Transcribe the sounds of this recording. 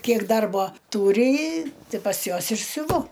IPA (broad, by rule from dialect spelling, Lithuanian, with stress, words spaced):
ˈkʲiɛk ˈdɐrboː ˈtuːrʲɪ ɪ ˈtʲɪ pɐs ˈjuɔs ɪr sʲʊˈʋʊ